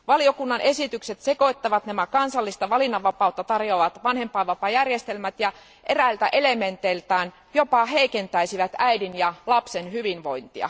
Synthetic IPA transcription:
ʋɑlio̞kunːɑne̞sit̪ykset̪seko̞it̪ːɑʋɑt̪næmækɑnsɑlːist̪ɑʋɑlinːɑʋːɑpɑˑut̪ːɑt̪ɑrjoːʋɑt̪ʋɑnhempɑːʋɑpɑjærjest̪elmæt̪jɑ | ʔeræilt̪æʔe̞lement̪elt̪æːn | jo̞pɑɦeikent̪æisiʋæt̪æidinjɑlɑpsenhyʋinʋo̞int̪iɑ̰

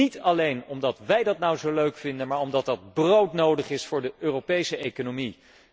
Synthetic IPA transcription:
itɑlejnɔmdɑtʋɛjdɑtnʌwzowløɥkfɪndənmaːɹɔmdɑt̚dɑd̚browtnowdəχɪsfʊːɹdəʔøːrowpejsəejkonomi

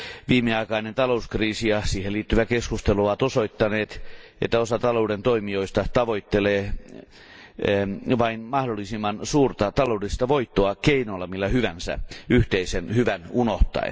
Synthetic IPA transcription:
ʋiːmeɑikɑinent̪ɑlouskriːsijɑsiːheliːt̪ːyʋækeskust̪eluoʋɑt̪osoit̪ːɑneːt̪et̪ːæosɑt̪ɑlouːdent̪oimioist̪ɑt̪ɑʋoit̪ːeleː | ʋɑinmɑhdolːisimːɑnsuːrt̪ɑt̪ɑloudist̪ɑʋoit̪ːoɑkeinolːɑmilːæhyʋænsæ̰yht̪eisenhyʋænunoht̪ɑ̰ḛ

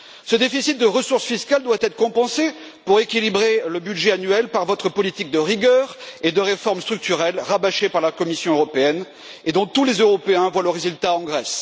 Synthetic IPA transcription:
səd̪efisit̪̚d̪əʁəsuʁsfiskald̪wat̪ɛt̪χəkɔ̃pɑ̃se | puʁekʲilibʁeləbyd̪ʒɛanɥɛlpaʁvɔt̪χəpɔlit̪ik̚d̪əʁiɡʲœːʁed̪əʁefɔʁmst̪χyk̚t̪yʁɛlʁabaʃepaʁlakɔmisjɔ̃øʁɔpeɛn | ed̪ɔ̃t̪ulezøʁɔpeɛ̃vwaləʁːezylt̪aɑ̃ɡʁɛs

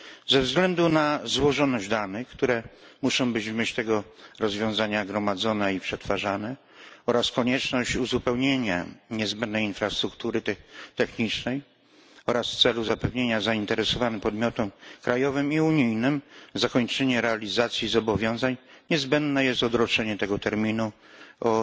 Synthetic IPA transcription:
zɛvzɡlɛnd̪unazwɔʐɔnɔʑd̪anɘxkt̪uɾɛ | muʂɔ̃w̃bɘd͡ʑvmʲet͡ɕt̪ɛɡɔɾɔzvʲjɔ̃w̃zaɲaɡɾɔmad̪zɔnɛipʂɛt̪faʐanɛ | ɔɾaskɔɲɛt͡ʂnɔɕt͡ɕuzupɛwɲeɲa̰ɲɛzbɛnd̪nɛjinfɾast̪ɾukt̪uɾɘt̪ɛt̪ɛxɲit͡ʂnɛj | ɔɾasft̪sɛluzapɛvɲeɲazaint̪ɛɾɛsɔvanɛpɔd̪mʲjɔt̪ɔmkɾajɔvɘmiuɲijnɘmzakɔɲt͡ʂɛɲɛɾɛalʲizat̪sʲjizɔbɔvʲjɔ̃w̃zaɲɲɛzbɛnd̪nɛjɛst̪ɔd̪ɾɔt͡ʂɛɲɛt̪ɛɡɔt̪ɛɾmʲinu | ɔ

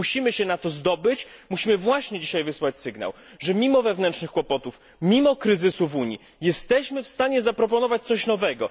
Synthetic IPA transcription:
uɕimɘɕɛnat̪ɔzd̪ɔbɘt͡ɕmuɕimɘvwaɕɲɛd͡ʑiɕajvɘswat͡ɕsɘɡna̰w | ʐɛmʲimɔvɛvnɛnt̪ʂnɘxkwɔpɔt̪uf | mʲimɔkɾɘzɘsuvuɲi | jɛst̪ɛɕmɘfst̪aɲɛzapɾɔpɔnɔvat͡ɕt̪sɔɕnɔvɛɡɔ

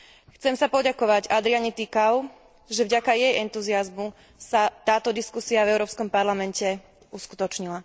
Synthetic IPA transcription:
xt͡sɛmsapɔɟakɔʋaɟad̪ɾiaɲit̪ikaʊ | ʒɛvɟakajɛjʔɛnt̪uziazmu | sat̪aːt̪ɔd̪iskusiavɛʊɾɔːpskɔmpaɾlamɛncɛ | uskut̪ɔt͡ʃɲila

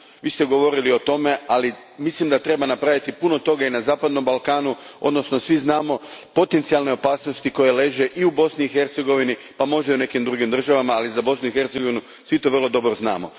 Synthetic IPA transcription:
ʋiːst̪e̞ɡo̞ʋo̞ɾilio̞t̪o̞me̞ali | mislimd̪at̪ɾe̞banapɾaʋit̪ipuno̞t̪o̞ɡainazaːpad̪no̞mbalˠkaːnuo̰d̪no̞sno̞sʋiznaːmo̞po̞t̪ent̪sialne̞o̞paːsnost̪iko̞je̞le̞ʒe̞ʔiubo̞sniːxe̞ɾt̪seɡo̞ʋini | pamo̞ʒd̪aune̞kimd̪ɾuɡimd̪r̩ʒaʋamaːlizabo̞snuixe̞ɾt̪eɡo̞ʋinu | sʋit̪o̞ʋərlˠo̞d̪o̞bɾozna̰ːmo̞̰

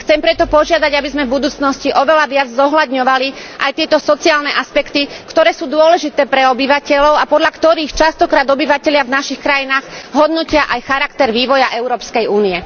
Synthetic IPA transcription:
xt͡sɛmpɾɛt̪ɔpɔʒɪad̪aɟabizmɛvbud̪uːt͡snɔsciʔɔʋɛlaʋɪad͡zzɔɦlad̪ɲɔʋaliʔajt̪ɪɛt̪ɔsɔt͡siaːlnɛʔaspɛkt̪ikt̪ɔɾɛːsuːd̪ʊɔlɛʒit̪ɛːpɾɛɔbiʋacɛʎɔʊapɔd̪ʎakt̪ɔɾiːxt͡ʃast̪ɔkɾaːd̪ɔbiʋacɛʎɪavnaʃixkɾajinaːɣɦɔd̪nɔcɪaʔajxaɾakt̪ɛɾʋiːʋɔjaʔɛʊɾɔːpskɛjuːniɛ

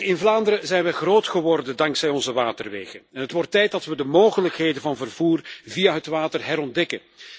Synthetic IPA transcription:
ɪnvlaːndəɾəzɛjnʋɛɣroːtχəʋɔrdəndɑŋksɛjɔnzəʋaːtərʋḛːɣənɛnɦətʋɔrtːɛjt̚dɑtʋədəmoːɣələkɦeːdənvɑnvərv̥uːrvijaɦətʋaːtərɦɛɾɔndɛkən

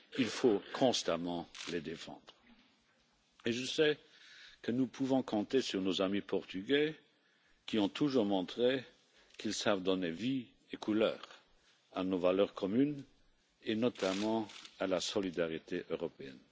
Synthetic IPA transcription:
ilfokʰɔ̃st̪amɑ̃led̪efɑ̰̃d̪̥ʁə | eʒəsɛ | kənupʰuvɔ̃kʰɔ̃t̪esyʁnozamipʰɔʁt̪yɡɛ | kiɔ̃t̪ʰuʒuʁmɔ̃t̪χe | kʰilsavd̪ɔnevi | ekʰulœ̰ːʁ | anovalœːʁkʰɔmyn | enɔt̪ʰamɑ̃alasɔlid̪aʁit̪ʰeʔøʁɔpeɛ̰n

